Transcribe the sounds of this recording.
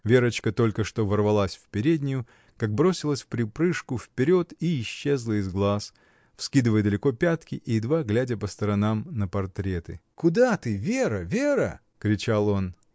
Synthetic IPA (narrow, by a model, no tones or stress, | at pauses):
vʲe̞ɾət͡ɕkət̪o̞lʲkəʂt̪o̞vərvɐlˠasʲfpʲɪɾʲedʲnʲɪjʊ | kaɡ̚bɾo̞sʲɪlˠəsʲfpɾʲɪpɾɨʂkʊfpʲɪɾʲo̞t̪iːɕːe̞zlˠəɪzɡlˠas | fskʲid̪ɨvəjəd̪əlʲɪko̞pʲat̪kʲɪʔɪd̪vaɡlʲædʲəpəst̪əɾɐnamnəpɐrt̪ɾʲe̞t̪ɨ̰kʊd̪at̪ɨvʲeɾəvʲeɾə̰ | kɾʲɪt͡ɕalˠo̞n